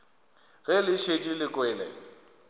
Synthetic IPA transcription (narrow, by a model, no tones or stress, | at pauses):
ɣɛlɪʃet͡ʃʼilɪkʼwɛlɛ̰